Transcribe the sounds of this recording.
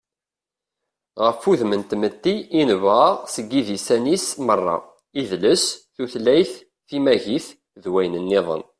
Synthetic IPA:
ʁəfːuðmənt̪mət̪ːiinəvʁaʁsəɡːiðisænismərˤːɑ̰ | iðləsθuθlæjθ | θimæʝiθ | ðwæjnənːɪðˤə̰n

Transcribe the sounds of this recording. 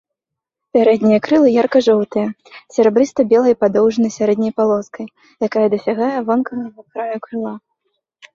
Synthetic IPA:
pʲaɾɛd̪ʲnʲijɐkɾɨlˠɨjarkɐʐɔwt̪ɨjɐ | sʲaɾɛbɾɨst̪ɐbʲɛlˠɐjpad̪ɔwʐɨnɐjsʲaɾɛd̪ʲnʲɐjpalˠɔskɐj | jakajɐd̪ɐsʲaɣajɐvɔnkɐɣɐɣɐkɾajukɾɨlˠa

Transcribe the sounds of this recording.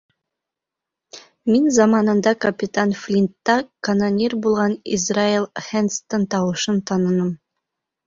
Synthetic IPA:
minzɑmɑnɤ̆nd̪ɑkɐpʲɪt̪anflʲint̪ːɑkɐnanʲirbulˠʁɑnḭzrailˠhenst̪ːɤɴt̪ɑwɤ̆ʃɤnt̪ʰɑnɤ̆nɤm

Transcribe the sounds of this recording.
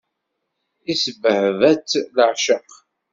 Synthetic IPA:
isəvəhvæt͡sːləʕʃəq

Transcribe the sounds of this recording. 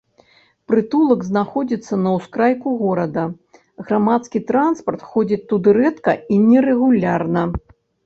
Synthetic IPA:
pɾɨt̪ulˠɐɡznaxɔd͡zʲit̪sːɐnɐwskɾajkuɣɔɾɐd̪ɐ | ɣɾamat̪skʲit̪ɾanspɐrt̪xɔd͡zʲit͡sʲt̪ud̪ɨɾɛt̪kɐinʲɛɾɛɣulʲarnɐ

